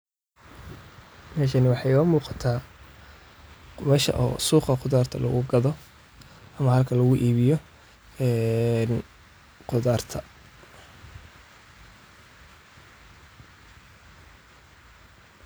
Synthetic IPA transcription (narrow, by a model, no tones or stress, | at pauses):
mɛːʃ̬ɐnɪwɑħɑjɔːmuːqɑt̪ʰaː | βɛʃɐ̰ʔɔ̰ːsuːqɑqʊðaːrt̪ʰɐ̰lɐ̰ɣʊɡɐðɔ | ʔɐmɐhɐlkʰɐlɐɣʊʔiːβɪjɔ | ɛːn | qʊðaːrt̪ʰɐ